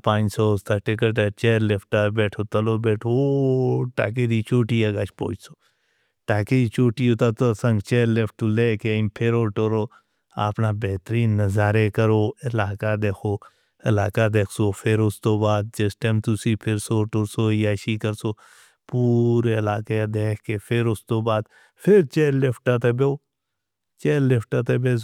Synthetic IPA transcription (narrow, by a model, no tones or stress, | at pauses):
pãːɲsoːʊst̪ʰaːʈɪk̬əʈ̬at͡ʃeːɾlɪpʰʈaːbeːʈʰoːt̪əloːbeːʈʰooʈa̰ːk̬ed̪iːt͡ʃoːʈiːaːɡaːt͡ʃpo̰ːd͡ʒsoː | ʈaːked̪iːt͡ʃoːʈiːot̪aːt̪osə̃ŋɡt͡ʃeːɾlepʈt̪uleːkempʰɪɾoːʈoɾoː | a̰ːpnaːbeɦt̪əɾiːnːəzaːɾeːkəɾoːɪlaːkad̪eːkʰoː | ɪlaːkaːd̪eːkʰsoːpʰɪɾʊst̪oːbaːd̪̚d͡ʒəsʈẽːmt̪ʊsiːpʰɪɾsoːʈoɾsoːiːaːʃikəɾsoː | puːɾeɪlaːked̪eːkʰkeːpʰɪɾʊst̪oːbaːd̪ | pʰɪɾt͡ʃeːlɪpʰʈat̪ebeː | t͡ʃeːlɪpʰʈaːt̪ebeː